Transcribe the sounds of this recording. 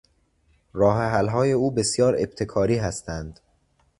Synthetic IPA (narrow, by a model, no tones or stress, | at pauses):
rɒːɦeɦælɦɒːje̞uːbe̞sjɒːɾe̞̰b̥t̪ʰe̞kʰɒːɾiːɦæst̪ʰænd̪̥